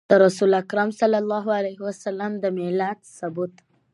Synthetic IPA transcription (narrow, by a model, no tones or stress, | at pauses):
d̪̥əɾasulakɾamsalːalːɑɦalajɦwasalamd̪əmɪlat̪sʊbut̪